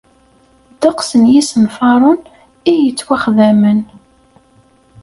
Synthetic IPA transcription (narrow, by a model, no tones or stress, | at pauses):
d̪̥ɑqsənjisənfɑɾˤʊn | ijət͡sːwæχðæmən